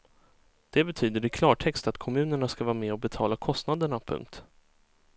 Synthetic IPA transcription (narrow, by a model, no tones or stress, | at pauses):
d̪̥ɛbɛt̪ʰyːd̪əɾɪkʰlɑːʈʰɛkst̪at̪kʰɔmʉ̟ːnəɳaskavɑːɾmɛɔbɛt̪ʰɑːlakʰɔst̪nad̪əɳapʰɵ̰ŋk̚t̪